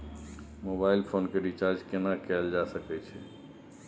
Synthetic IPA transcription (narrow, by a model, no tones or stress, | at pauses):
mobailpʰoːnkeɾit͡ʃaɾd͡ʒkenakɛld͡ʒasəkɛt͡ʃʰɛ